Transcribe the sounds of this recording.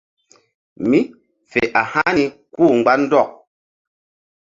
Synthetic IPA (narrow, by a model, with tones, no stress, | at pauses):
mi˦ | fḛ˨ʔa˨ha˦ni˨kuː˦˨ŋ͡mɡ͡ba˦n̩˦dɔ˦˨k̚